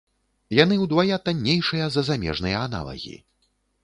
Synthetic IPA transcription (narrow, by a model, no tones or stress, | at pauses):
jan̪ɨwd̪vajat̪anʲːejʂɨjɐzɐzamʲɛ̰ʐnɨjɐan̪a̰lˠɐ̰ɣʲḭ